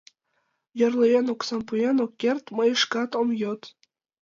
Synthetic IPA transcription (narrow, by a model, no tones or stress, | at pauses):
jɤ̆rlejenoksɑmpujenokːert̪mɤjə̆ʃkɑt̪omjot̪